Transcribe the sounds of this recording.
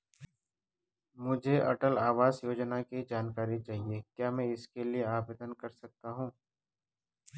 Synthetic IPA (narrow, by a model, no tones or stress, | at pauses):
mʊd͡ʒʱeʔɐʈəlaːʋaːzjoːd͡ʒnakid͡ʒaːnkaːɾit͡ʃaːɦiekjaːmɛ̃ɪskelieaːbet̪ənkɐɾsɐk̚t̪aɦũː